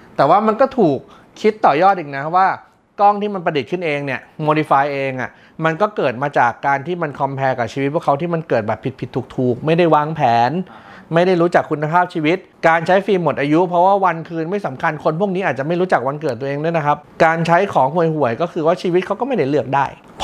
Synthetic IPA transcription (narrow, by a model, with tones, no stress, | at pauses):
t̪ɛː˨˩waː˥˩ma˧nkɔː˥˩t̪ʰuː˨˩k̚ʰː | i˦˥t̪ːɔː˨˩jɔː˥˩t̪̚ʔi˨˩na˦˥waː˥˩ | kɔ˥˩ŋt̪ʰiː˥˩ma˧npɾa˧di˨˩t̪̚kʰɯ˥˩nʔeː˧ŋni˥˩ɐmoː˧ɾi˧faː˧jʔeː˧ŋʔa˨˩ | ma˧nkɔː˥˩kɤː˨˩t̪̚maː˧t͡ɕaː˨˩kːaː˧nt̪ʰiː˥˩ma˧nkʰɔ˧mpʰɛː˧kaː˨˩t͡ɕʰiː˧wi˦˥pʰu˥˩ə˩kʰa˦˥t̪iː˥˩ma˧nkɤː˨˩t̪̚bɛː˨˩pʰːi˨˩t̪̚pʰi˨˩t̪ʰːuː˨˩k̚t̪ʰuː˨˩k̚ma˥˩jda˥˩jwaː˧˥ŋpʰɛː˩˦n | ma˥˩jda˥˩jɾuː˦˥t͡ɕa˨˩kʰːu˧nːa˧pʰaː˥˩p̚t͡ɕʰiː˧wi˦˥t̪̚kaː˧nt͡ɕʰa˦˥jfiː˧mo˨˩t̪ʔaː˧ju˦˥pʰɾɔ˦˥waː˥˩wa˧nkʰɯː˧nma˥˩jsa˩˦mkʰa˧nkʰo˧npʰu˥˩k̚ni˦˥aː˨˩t̪̚t͡ɕa˨˩ma˥˩jɾuː˦˥t͡ɕa˨˩k̚wa˧nkɤ˨˩t̪̚ːu˧ʔeː˧ŋnɯ˥˩˨na˦˥kʰa˦˥p̚kaː˧nt͡ɕʰa˦˥jkʰɔː˩˦ŋɦu˨˩əjhu˨˩əjkɔː˥˩kʰɯː˧waː˥˩t͡ɕʰiː˧wi˦˥kʰa˦˥wkɔː˥˩ma˥˩jda˥˩jlɯ˥˩ək̚daː˥˩jʰ